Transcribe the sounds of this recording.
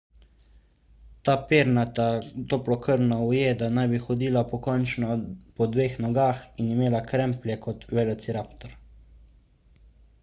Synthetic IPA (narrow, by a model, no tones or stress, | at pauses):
t̪aːpeːɾnat̪at̪oplɔkəɾnɔujed̪anajbixɔd̪iːlapɔkɔnt͡ʃnɔpɔd̪ʋeːxnɔɡaːxinimeːlakɾɛmplʲjɛkɔt̪ʋɛlɔt̪siɾaːpt̪ɔɾ